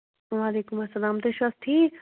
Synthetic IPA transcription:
ʋaːleːkʊmɐsːɐlaːmd̪eʃɐst̪ʰiː

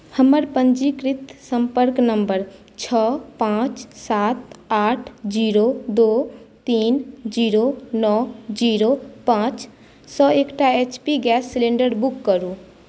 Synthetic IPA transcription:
həməɾpəɲd͡ʒikɾɪt̪sə̃mpəɾknəmbəɾ | t͡ʃʰɔːpãːt͡ʃsaːt̪aːʈʰd͡ʒiːɾod̪oːt̪iːnd͡ʒiːɾonɔːd͡ʒiːɾopãːt͡ʃ | sɔːeːkʈaeːt͡ʃpiɡɛːsːɪlẽːɳɖəɾbʊkːəɾuː

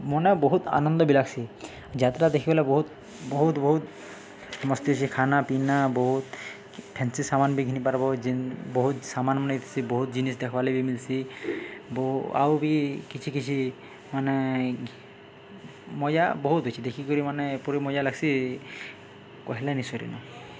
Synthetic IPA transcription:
mɔnɛboɦut̪a̰nɔnd̪ɔbilaɡsʰi | d͡ʒat̪ɾad̪ekʰibɔlɛboɦut̪ | boɦut̪bɔɦut̪ | sɔmɔst̪iɦot͡ʃʰikʰanapinaboɦut̪ | pʰɛnsisamanbiɡʱinipaɾbɔd͡ʒiboɦut̪samanmɔnɛit̪ʰi̥siboɦut̪̚d͡ʒinis̬d̪ɛkʰɔbalebimilsi | boa̰wbikit͡ʃʰikit͡ʃʰi | manɛ | mɔja̰boɦut̪ɦojt͡ʃʰid̪ekʰikoɾimanepɔɾimɔjalaɡsi | kɔɦɛlanisɔɾḭnɔ̰

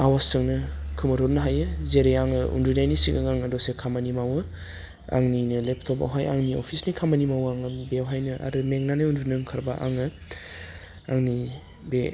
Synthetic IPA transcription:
awasɯŋnɯkʰɯmɐɾɔɾnɐɦajɯzeɾeaŋɯṵndunajnisiɡa̰ŋaŋɯdɔsekʰamanimawɯ | a̰ŋninɯleptʰɔpa̰wɦaja̰ŋnio̰pʰisnikʰamɐnimawaŋɯbewɦajnɯʔa̰ɾɯmeŋnanaundunɯŋkʰaɾbaʔa̰ŋɯ | aŋni | be

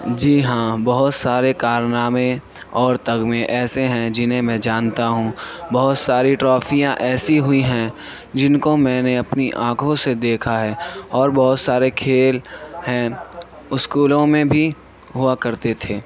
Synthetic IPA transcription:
d͡ʒiːɦãːbɐɦʊt̪saːɾekaːɾnaːmẽ | ɔːɾt̪ɐɡmẽʔɛːseɦɛ̃d͡ʒɪnɦẽmɛ̃d͡ʒaːnt̪aɦũːbɐɦʊt̪saːɾiʈɾɔːfijãʔɛːsiɦʊiɦɛ̃ | d͡ʒɪnkomɛ̃ːneɐpniʔãːkʰõsed̪eːkʰaɦɛːɔːɾbɐɦʊt̪saːɾekʰeːlhɛ̃ | ʊskuːlõmẽbʱi | ɦʊakɐɾt̪et̪ʰeː

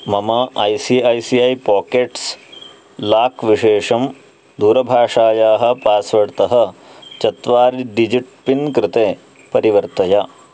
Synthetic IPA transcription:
mɐmɐɐjsiɐjsiɐjpaːkeʈs | laːkʋiʂeːʂɐm | d̪uːɾɐbʱaːʂaːjaːɦɐ̆paːsʋɐɽt̪ɐɦɐ̆t͡ʃɐt̪ʋaːɾiɖid͡ʒiʈ̚pinkɾɪt̪eː | pɐɾiʋɐɾt̪ɐja

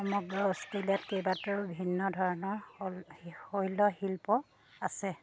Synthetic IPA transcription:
xɔmɔɡɹɔɔstelijatkejbatuɹubʱinːɔdʱɔɹɔnɔɹ | hojlɔhilpɔ | asɛ

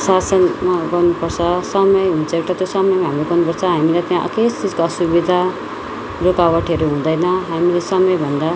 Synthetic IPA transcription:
sasʌnmaɡʌrnupʌrt͡sʰʌsʌmʌjɦunt͡sʰʌekʈ̪ʌt̪josʌmʌjmaɦamiɾoɡʌrnupʌrt͡sʰʌɦamilat̪jãʔʌ̰ket͡sid͡zkoʌsubid̪ʱa | rokawʌʈʰeɾuɦũd̪ʌjnʌɦamilesʌmʌjbʱʌnd̪a

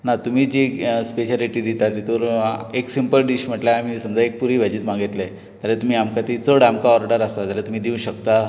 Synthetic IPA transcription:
nat̪um̤iːd͡ʑispeɕaliʈid̪it̪at̪it̪oɾeksimpəlɖiɕm̤əʈlaam̤isəmd͡zaek̚puɾiːbʱad͡ʑiːt̪maɡit̪le | t̪aɾat̪um̤iːamkat̪it͡soɽamkaɔɾɖəɾasat̪alat̪um̤iːd̪iũɕəkt̪a

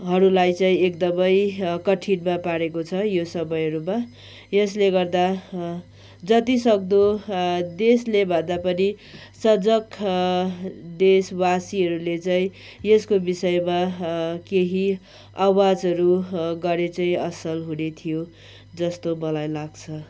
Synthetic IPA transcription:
ɦʌɾulajt͡saĩek̚d̪ʌmʌjkʌʈʰinmapaɾekot͡sʰʌjosʌmʌjɦʌɾuma | jesleɡʌrd̪a | d͡zʌt̪isʌk̚d̪od̪eslebʱʌnd̪apʌni | sʌd͡zʌk | d̪eswasiɦʌɾulet͡saĩ | jeskobisʌmakeɦi | awad͡zɦʌɾuɡʌɾet͡saĩʌsʌlɦunet̪ʰijo | d͡zʌst̪omʌlajlaɡt͡sʰʌ

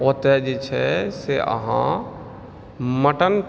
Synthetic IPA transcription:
ot̪ɛd͡ʒet͡ʃʰɛseə̰ɦã̰ | məʈən

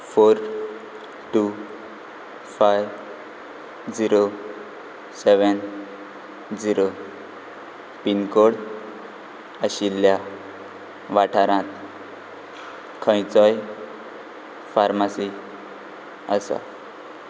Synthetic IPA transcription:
foɾ | ʈu | fajʋ | d͡ziɾo | seʋən | d͡ziɾo | pinkoɽ | əɕilja | ʋaʈʰaɾãt̪ | kʰə̃jt͡sɔj | faɾmasi | əsa̰

